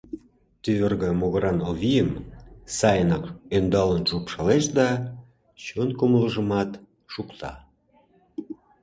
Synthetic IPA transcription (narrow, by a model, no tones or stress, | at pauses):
t̪yβerɣəmoɣəɾɑnoβijəmsɑjənɑkønd̪ɑlənʒupʃɑleʃd̪ɑ | t͡ɕonkomləʒə̆mɑt̪ | ʃukt̪ɑ̰